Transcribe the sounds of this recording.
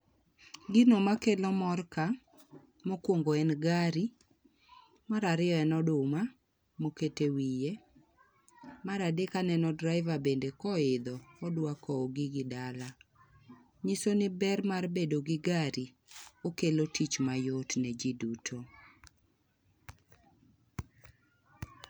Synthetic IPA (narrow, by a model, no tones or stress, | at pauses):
ɡɪnomakelɔmɔrka | mokwoŋɡoɛnɡaɾi | maɾaɾɪɔɛnɔdʊma | moketewije | maɾadekanɛnɔdɾaɪvabendekɔɪd̪ɔːdwakɔːɡɪɡɪdala | ɲisonɪbɛrmarbedoɡɪɡaɾi | okelotʰit͡ʃmajotnɛd͡ʒidutʰo